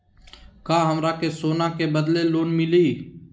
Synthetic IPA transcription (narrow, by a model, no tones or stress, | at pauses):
kaːɦəmɾaːkesoːnakebəd̪leloːnmɪlei